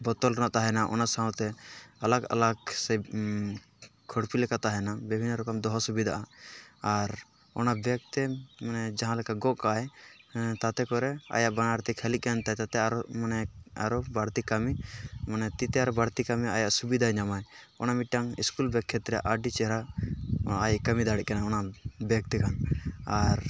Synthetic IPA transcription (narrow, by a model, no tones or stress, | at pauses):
bɔt̪ɔlɾɛnaʔt̪aɦɛnaʔɔ̰nasãw̃t̪ɛalaɡa̰laksɛ | kʰɔɽpilɛkat̪aɦɛnabibʱinːɾɔkɔmd̪ɔɦɔsubid̪ʱa̰ʔaː | ɾ | ɔ̰nabɛk̚t̪ɛmanɛd͡ʒaɦãlɛkaɡɔʔkaj | t̪at̪ɛkɔɾɛa̰jaʔbanaɾt̪ɛkʰɛliʔ̚kant̪at̪at̪ɛaɾɔmanɛa̰ɾɔbaɽt̪ikamimanɛt̪it̪ɛaɾɔbaɽt̪ikamia̰jaʔsubid̪ʱaɲamaj | ɔ̰namiʈ̚ʈːaŋḭskulbɛkʰːɛt̪ɾɛjaʔaɖit͡ʃɛɾa | ajʔkamid̪aɽɛt̪ʔ̚kanaɔnabɛk̚t̪ɛkʰanaɾ